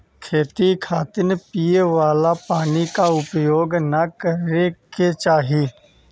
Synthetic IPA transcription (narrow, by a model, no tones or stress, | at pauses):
kʰeːt̪ikʰaːt̪ɪnepijeʋaːlapaːnikaʊpjoːɡnɐkəɾeket͡ʃaːɦiː